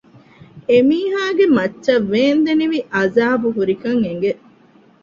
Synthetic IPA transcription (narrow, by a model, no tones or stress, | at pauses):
emiːɦaːɡemɐtːʃɐʋːeːnd̪eniʋiʔɐzaːbuɦuɾikɐŋeŋ̆ɡe